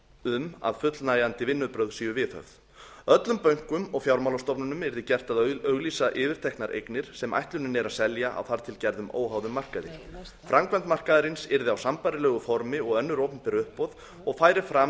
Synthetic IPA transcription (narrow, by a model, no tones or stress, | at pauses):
ʏma̰ðfʏt̪lnaːjant̪ɪvɪnːʏðpɾœwðsiːjʏvɪθœ̰ɣð | œt̪lʏmpœɥŋ̥kʏmɔɣfjawɾmawlast̪ɔpnʏnʏmɛɾðɪcɛr̥t̪aðœɣliːsaʔɪːvɪɾ̥t̪ʰɛhknaɾʔḛjknɪɾ̥sɛma̰jht̪lʏnɪnɛɾaðsɛljaʔa̰wθaɾ̥t̪ʰɪlcɛɾðʏmo̰ːwɦaːwðʏmːar̥kaðɪ | fɾʔamkvɛnt̪mar̥kaðaɾɪnsɪɾðɪawsampajɾɪlɛːɣʏfɔɾmɪɔɣœnːʏɾoːwpʏmpɛɾʏhpːɔð | ɔɣfaːjɾɪfɾa